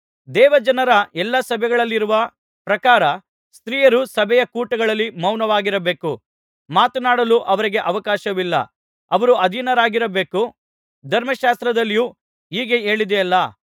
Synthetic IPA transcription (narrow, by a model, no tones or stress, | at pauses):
d̪ɛːʋɐd͡ʒɐnɐɾɐʔɛlːɐsɐbʱɛɡɐɭɐlːiɾuʋɐ | pɾɐkaːɾɐ | st̪ɾiːjɐɾusɐbʱɛjɐkuːʈɐɡɐɭɐlːimɐwnɐʋaːɡiɾɐbe̞ːku | maːt̪unaːɽɐluʔɐʋɐɾiɡe̞ʔɐʋɐkaːʃɐʋilːɐ̰ | ɐʋɐɾuɐd̪ʱinɐɾaːɡiɾɐbe̞ːku | d̪ʱɐɾmɐʃaːst̪ɾɐd̪ɐlːiju | iːɡee̞ːɭid̪eɐlːɐ